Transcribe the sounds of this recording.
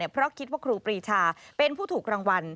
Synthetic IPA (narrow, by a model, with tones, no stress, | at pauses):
i˧˩pʰɾɔ˦˥kʰi˦˥t̪̚waː˥˩kʰɾuː˧pɾiː˧t͡ɕʰaː˧pe˧npʰuː˥˩t̪ʰuː˨˩k̚ɾaː˧ŋwa˧n